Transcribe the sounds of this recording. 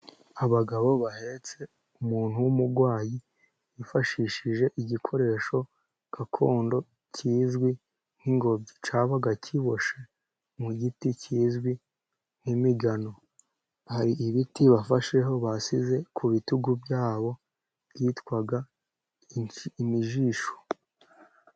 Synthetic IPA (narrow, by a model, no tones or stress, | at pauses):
aβaɡaβo̞βahe̞t͡se̞ | umuːn̥huwumuɾɡwaːji | jifaʃiːʃiʒe̞ʔiɟikʰo̞ɾe̞ːʃo̞ | kakʰo̞ːndo̞ | cʰiːzɡwi | n̥hiŋɡo̞bɟit͡ʃaβaɡacʰiβo̞ʃe̞ | muɟiticiːzɡwi | n̥imiɡano̞ | haɾiʔiβitiβafaʃe̞ɦo̞βasize̞kʰuβituɡubjaːβo̞ | bɟiːtkwaɡa | miʒiːʃo̥